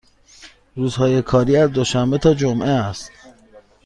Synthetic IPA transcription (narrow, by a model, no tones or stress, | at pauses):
ɾuːzhɒːje̞kʰɒːɾiːæzd̪oʃæmbet̪ʰɒːd͡ʒomʔeæst̪